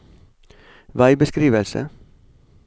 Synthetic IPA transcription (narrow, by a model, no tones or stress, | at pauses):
ʋæɪbəskɾiːʋəlsə̰